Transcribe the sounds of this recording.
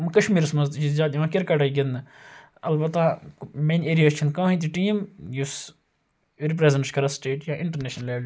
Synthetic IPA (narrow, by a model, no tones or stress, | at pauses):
mɐkɐʃmiːɾsmɐzt̪t͡ʃizʲjaːd̪iʋãkʲeɾkaʈɐiɡʲen | ɐlbɐt̪ːameːneːɾijaːst͡ʃʰinkãːɦĩt̪̬iʈiːmjus | ɾipɾeːzẽɳʈskɐɾasʈeːʈjãːʔɪ̃ɳʈəɾneːʃnɐleːl